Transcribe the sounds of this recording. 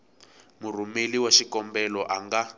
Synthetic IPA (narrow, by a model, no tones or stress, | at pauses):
murumeliwaʃikɔmbɛlɔʔaŋɡa